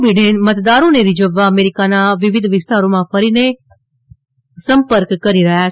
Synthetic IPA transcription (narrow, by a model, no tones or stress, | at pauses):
biɖenmət̪d̪aɾõneɾid͡ʒəʋːaəmeɾikanaʋɪʋɪd̪ʱʋɪst̪aɾomãfəɾine | səmpəɾkkːəɾiɾəɦja